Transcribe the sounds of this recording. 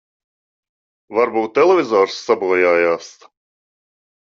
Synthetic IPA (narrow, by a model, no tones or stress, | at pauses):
vaɾbuːt̪ːɛlˠevʲizɔːɾsːabuɔjaːjaːst̪